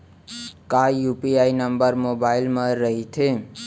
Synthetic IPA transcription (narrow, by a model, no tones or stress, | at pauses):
kajupiajnəmbəɾmobailmaɾəɦit̪ʰe